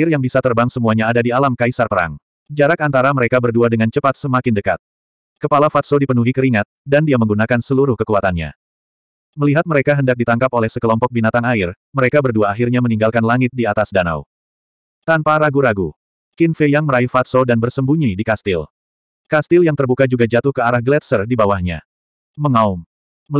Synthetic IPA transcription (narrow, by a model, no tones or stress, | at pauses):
ɪrjaŋbisat̪ərbaŋsəmuaɲaːdadialamkaisarpəɾa̰ŋ | d͡ʒaɾakant̪aɾaməɾekabərduadəŋant͡ʃəpat̪̚səmakɪndəka̰t̪̚ | kəpalafat̪sodipənuɦikəɾiŋat̪̚dandiaməŋɡunakansəluɾʊhkəkuat̪anɲa̰ | məliɦat̪̚məɾekaɦəndak̚dit̪aŋkapolɛhsəkəlɔmpɔk̚binat̪aŋaɪr | məɾekabərduaːɦirɲaməniŋɡalkanlaŋɪt̪̚diat̪asdana̰w | t̪anpaɾaɡuɾaɡu | kɪnfejaŋməɾaifat̪̚sodanbərsəmbuɲidikast̪ɪl | kast̪ɪljaŋt̪ərbukad͡ʒuɡad͡ʒat̪ʊhkəaɾahɡlɛt̪sərdibawahɲa̰ | məŋaum